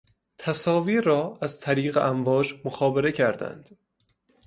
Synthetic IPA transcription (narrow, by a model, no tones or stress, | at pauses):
t̪ʰæsɒːviːɾɒːæzt̪ʰæɾiːɣeʔæɱvɒːd͡ʒmoxɒːbeɾe̞cʰæɾd̪æ̰nd̪̥